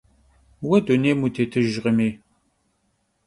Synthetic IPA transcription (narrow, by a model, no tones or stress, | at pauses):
wɐduneːmutʰeːtʰɨʒʁəmeː